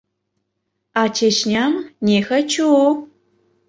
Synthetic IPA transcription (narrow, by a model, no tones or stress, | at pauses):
at͡ʃeʃnʲamnʲexɐt͡ʃu